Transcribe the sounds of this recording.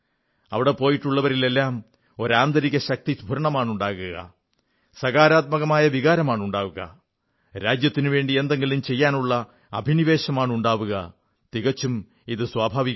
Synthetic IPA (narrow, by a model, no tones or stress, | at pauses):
ɐʋiɽe̞po̞ːjiʈːuɭːɐʋɐɾile̞lːaːm | o̞ɾaːnd̪ɐɾiɣʲɐɕɐk̚t̪isbʱuɾɐɳɐmaːɳuɳɖaːɣuɣɐ̰ | sɐɣaːɾaːt̪̚mɐɣɐmaːjɐʋiɣaːɾɐmaːɳuɳɖaːʋuɣɐ̰ | ɾaːd͡ʑjɐt̪ːinɨʋe̞ːɳɖie̞nd̪e̞ŋɡilumt͡ɕe̞jːaːnuɭːɐ | ɐbʱiniʋe̞ːɕɐmaːɳuɳɖaːʋuɣɐ̰ | t̪iɣɐt͡ɕːum | iðɨswaːbʱaːʋikː